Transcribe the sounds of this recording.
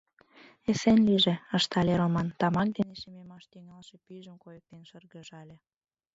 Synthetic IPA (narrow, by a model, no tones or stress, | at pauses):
esenliʒeəʃt̪ɑlʲeɾomɑnt̪ɑmɑk̚d̪eneʃememɑʃt̪yŋɑlʃepyʒəmkojək̚t̪enʃərɣəʒɑlʲe